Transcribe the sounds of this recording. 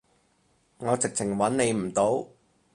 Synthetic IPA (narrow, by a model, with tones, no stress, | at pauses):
ŋɔː˨˧t͡sɪ˨k̚t͡sʰɪ˨˩ŋwɐ˨˥nne˨˧jm̩˨˩t̪o˨˥w